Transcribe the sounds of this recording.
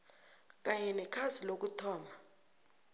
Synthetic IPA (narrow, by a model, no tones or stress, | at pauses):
k̬ʼaɲɛnɛkʰazilok̬utʰɔːma